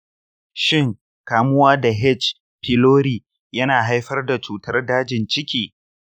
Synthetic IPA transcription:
ʃɪ˦ŋ | kaː˨mʊ˦waː˦da˨ɦɛ˦˨t͡ʃ | ɸʰɪ˨loː˦ɾiː˨ | jɐ˦naː˨ɦa˦jɸɐ˦rda˨t͡ʃuː˨tɐ˦rdaː˦d͡ʒɪ˨nt͡ʃɪ˦kʲiː˨

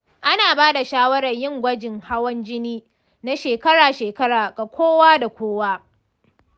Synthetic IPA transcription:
ʔa˦naː˨baː˦da˨ʃaː˦wɐ˦ɽɐ˨ɲjɪ˦ŋɡʷɐ˦d͡ʒɪ˨ŋha˦wɐ˦nd͡ʒɪ˦niː˦ | na˦ʃeː˨kɐ˦ɽaː˨ʃeː˨kɐ˦ɽaː˨ɡʼa˨kʷʰoː˦waː˦da˨kʷoː˦waː˦

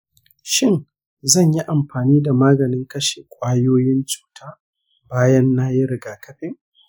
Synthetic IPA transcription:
ʃɪ˦˨n | zɐ˦˨ɲji˦ʔa˨mɸaː˨niː˦da˨maː˦ɡɐ˨nɪ˦ŋkɐ˦ʃe˨kʷʼaː˦joː˦jɪ˦nt͡ʃʼu̥ː˨tʰaː˦ | baː˦jɐ˦nːaː˦jɪ˦ɾɪ˨ɡaː˨kʰɐ˦ɸɪ˦ŋ

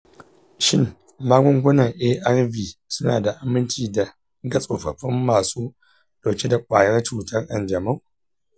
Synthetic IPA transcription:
ʃɪ˦˨n | maː˦ɡʷʊ˦ŋɡʷʊ˦nɐ˨ŋʔeː˦ʔɐ˦rviː˨sʊ˦na̰ː˨da˨ʔa˨mɪ˦nt͡ʃiː˨da˨ | ɡɐ˦sʼoː˨ɸɐ˨ɸɪ˦mːaː˨suː˦ | ɗa˨kʲe˦da˨kʷʼaː˨jɐ˦rt͡ʃuː˨tɐ˦rʔɐ̰˦nd͡ʒɐ˨ma˦ŋ

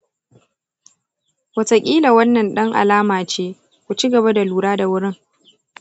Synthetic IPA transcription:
wɐ˨tɐ˨kʲʼiː˦la˨wɐ˦nːɐ˨nɗɐ˦ŋʔa̰˨laː˦maː˨t͡ʃeː˦ | kʷu˨t͡ʃi˦ɡɐ˨βa˦da˨luː˨ɽaː˦da˨wʊ˦ɽɪ˦ŋ

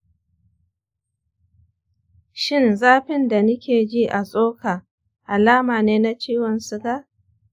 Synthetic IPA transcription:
ʃɪ˦˨nzaː˦ɸɪ˦nda˨nʊ˦kʲeː˨d͡ʒiː˦ʔa˨sʼoː˦ka˨ | ʔa˨laː˦maː˨neː˦na˦t͡ʃiː˦wɔ˨nsʊ˨ɡa˦

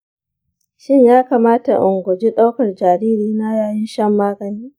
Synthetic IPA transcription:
ʃɪ˦ɲjaː˦kaː˨maː˦ta̰˨ʔʊ˨ŋɡʷɔ˨d͡ʒi˦ɗa˦wkɐ˨rd͡ʒaː˨ɾiː˦ɾiː˦na˦jaː˨jɪ˦nʃɐ˦mːaː˦ɡɐ˨niː˦

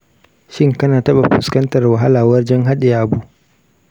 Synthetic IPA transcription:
ʃɪ˦ŋkɐ˦naː˨tɐ˦ɓa˨ɸʊ˨skɐ˦ntɐ˨rwɐ˨ɦa˦laː˨wɐ˦rd͡ʒɐ˦ŋɦa˦ɗe˨ja˦ʔa˨bu˦ʔ

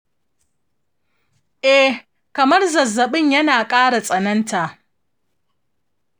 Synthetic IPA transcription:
ʔɛ˦ | kɐ˨mɐ˦rzɐ˨zːɐ˨ɓɪ˦˨ɲjɐ˦naː˨kʼaː˦ɽa˨sʼɐ˨nɐ˦nta˨ʔ

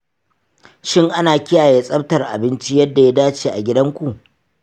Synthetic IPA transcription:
ʃɪ˦ŋʔa˦naː˨kʲɪ˦jaː˨jeː˦sʼɐ˦p̚tɐ˨rʔa̰˨bɪ˦nt͡ʃi˦jɐ˦dːa˨ja˦daː˦t͡ʃeː˨ʔa̰˨ɡʲɪ˦dɐ˦ŋkʷu˨ʔ

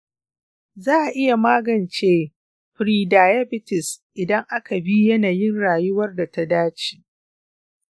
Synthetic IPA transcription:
zaː˦˨ʔa˨ʔɪ˦ja˨maː˦ɡɐ˨nt͡ʃeː˦ | ɸɾiː˨daː˨ja˦bɪ˦tɪ˨sʔɪ˨dɐ˦ŋʔa˦ka˨bi˦jɐ˦naː˨jɪ˦nɽaː˨jʊ˦wɐ˦rda˨ta˦daː˦t͡ʃi̥˨

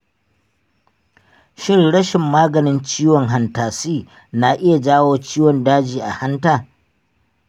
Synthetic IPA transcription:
ʃɪ˦ŋɽɐ˦ʃɪ˨mːaː˦ɡɐ˨nɪ˦nt͡ʃiː˦wɔ˨ŋɦa˨ntaː˨siː˦ | na˨ʔɪ˦ja˨d͡ʒaː˦woː˦t͡ʃiː˦wɔ˨ndaː˦d͡ʒiː˨ʔa̰˨ha˦ntaː˨

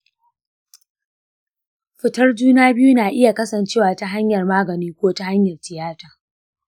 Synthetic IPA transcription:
ɸɪ˨tɐ˦rd͡ʒuː˦naː˦bɪ˦ju˦naː˨ʔɪ˦ja˨kɐ˦sɐ˨nt͡ʃeː˦waː˨ta˦ɦa˦ɲjɐ˨rmaː˦ɡɐ˨niː˦kʷoː˦ta˦ha˦ɲjɐ˨rtɪ˨jaː˦taː˨

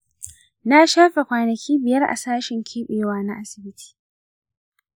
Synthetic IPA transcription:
na˦ʃaː˦ɸe˨kʷaː˨nɐ˨kʲiː˦bɪ˨jɐ˦rʔa̰˨saː˦ʃɪ˨ŋkʲʰeː˦ɓeː˨waː˨na˦ʔa˦sɪ˨bɪ˦tʰi̥ː˨

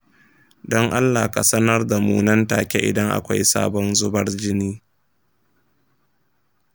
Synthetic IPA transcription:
dɔ˦ŋʔa˦lːa˨ka˨sɐ˦nɐ˦rda˨muː˦nɐ˦nta̰ː˨kʲe˦ʔɪ̰˨dɐ˦ŋʔa̰˨kʷa˦jsa̰ː˦bɔ˦nzʊ˦bɐ˦rd͡ʒɪ˦niː˦

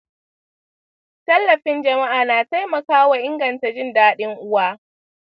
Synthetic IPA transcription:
tɐ˦lːɐ˨ɸɪ˦nd͡ʒɐ˨ma˦ʔaː˨naː˨ta˦jmɐ˨kaː˦wa˨ʔɪ˦ŋɡɐ˨nta˨d͡ʒɪ˦ndaː˦ɗɪ˦ŋʔʊ˦waː˦

